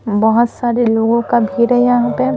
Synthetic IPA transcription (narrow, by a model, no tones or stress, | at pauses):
bɐɦʊt̪saːɾeloːɡõkabʱiːɾɦɛjɐɦãpe